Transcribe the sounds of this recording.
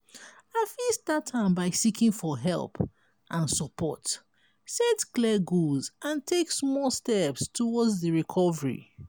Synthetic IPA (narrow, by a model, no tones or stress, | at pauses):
afisdatʰːãɪ̃mbaɪsikĩŋfɔɦɛ̰lˠp | ʔãnsɔpʰɔ̰t | sɛtklɛɡulzãntʰeksmɔstɛpstʰɔwɔdzðəɹikʰɔvəɹḭ